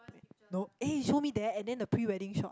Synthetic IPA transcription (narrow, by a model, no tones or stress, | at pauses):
noeʃomidɛɛ̃ndɛ̃ndəpʰɹiwɛɾɪ̃ŋʃɔt